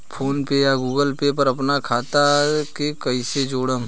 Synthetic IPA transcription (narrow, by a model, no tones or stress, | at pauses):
pʰoːnpejaɡuːɡəlpep̬əɾɐpnakʰaːt̪akekɐised͡ʒoːɽə